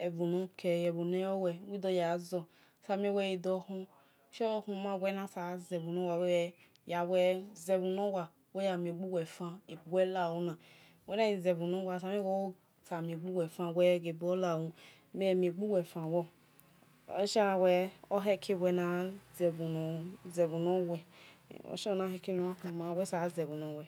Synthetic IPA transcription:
ɛ˨vu˨nũ˧kʰɛ˨jɛ˨bu˨nɛ˦ɔ˦wɛ˨˦wi˦dɔ˧ja˨zɔ˧ | sa˧˦mi˦wɛ˦ji˧dɔ˧hũ˦ | ʃɔ˦hũ˧mã˦˨wʷɛ˧˦nã˧sa˨˦zɛ˨vu˨nõ˦wa˨wɛ˦wɛ˧ | ja˨wɛ˧zɛ˨vu˨nɔ̃˦wa˨ | we˦ja˨mĩ˨ɡ͡bu˦wɛ˨fã˦i˨bu˨wʷɛ˦la˨wu˧nã˨ | wʷɛ˦nã˦i˨zɛ˨bu˨nũ˦wa˧˨sa˧mĩ˦ɡo˦ | sa˨mĩ˧ɡ͡bu˦wɛ˨fã˧wʷɛ˦ɡe˨bu˦o˦la˦˨wu˧ | me˦˨mĩ˧˨ɡ͡bu˦wɛ˨fã˨wɔ˦˨˦ | ʃa˦˨wɛ˧o˦ɦɛ˦kʰi˦˨wɛ˧nã˧zɛ˨bu˨nũ˨zɛ˨bu˨nõ˦wɛ̰˧˨o̰˨ʃɔ˦˧˦nã˦ɦɛ˧ki˦nũ˧˦a˦kũ˧mã˧˨wɛ˦sa˨˦zɛ˨bũ˨nõ˨wɛ˨

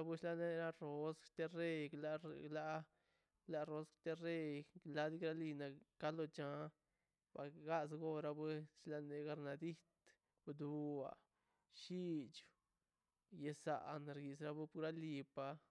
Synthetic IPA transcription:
a˦bu˦ʃla˦ne˦˧ɾa˦ɾo˧˦st̪e˦re˦ɡla˦la˦ | la˧ɾo˦skt̪e˦re˦˧jɡla˦d̪i˦ɡɾa˦li˧na˨ka˦lo˧t͡ʃa˧˦ | ba̰˨ɡa˦sɡo˦ɾa˧be˦ʃla˧ne˨ɡa˧ɾna˨d̪i˦t̪ | bd̪u˨˧a̰˨ | ʃi˦t͡ʃ | je˧sa̰˨ʔnɾɡi˨sɾa˧bu˦pɾa˦li˧pa˧

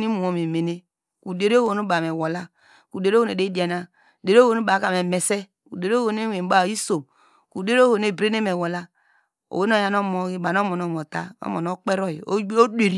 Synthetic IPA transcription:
ni˦mu˨o˨˦me˨me˨ne˦ | ku˨de˨ɾo˦wo˨no˦ba˨me˨wo˨la˦ | ku˨de˨ɾo˦˨ne˨de˦i˦di˨˦a˨na˦˨ | de˨ɾo˦wo˨no˦ba˨˦ka˨me˨me˨se˦ | kṵ˨de˨ɾo˦wo˨ne˦e˨˦ba˦˨i˦so˨m | ku˨de˦ɾo˦o˨ne˨bɾe˦ne˦me˨wo˨la˦ | o̰˨we˦n˦o˦˨ja˦no˦mo˨˦ɡi˦ba˨n˦o˦mo˨no˦˨mo˨ta̰˦o̰˦mo˨no˦k͡pe˦ɾo˦i˨˦o˦de˨ɾi˦

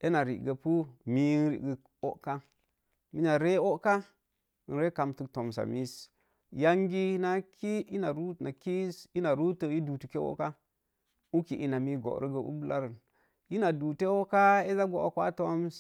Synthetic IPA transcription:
e˦na˨ɾḭ˨ɡə˨pu˦mi˦n˦ɾḭ˨ɡə˨ | o̰˦ʔka˦ | mi˦ɲa˨ɾe˦o˦ka̰˦˨ | nɾe˦ka˨mtu˨kto˨ms̬a̰˨mi˦s | ja˦ŋɡi˦na˦ki˦i˦na˨ɾu˦na˨ki˦si˦na˨ɾu˦tə˨ji˦du˨tu˨ke˦wo̰˦ka˦ | u˦ki˨ʔi˨na˨mi˦ɡo̰˨ɾə˦ɡə˨ṵ˦bu˦la˦ɾə˨n | i˦na˨du˨te˦wo˦ka˦e˦za˦ɡo˦˨o̰˦kʷa̰˦to˦ms

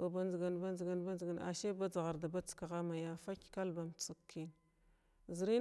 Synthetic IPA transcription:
o˨ba˨nd͡ʒɡa˨nba˦nd͡ʒi˨ɡa˨nba˦nzɡa˨na̰˨ʃe˦ba˦d͡za˨ɣa˨ɾda˨ba˦t͡ska˨ɣa˦ma˨ja˦fa˦kka˦lba˨mt͡su˦kʰːi˦n | zi˨ɾi˦

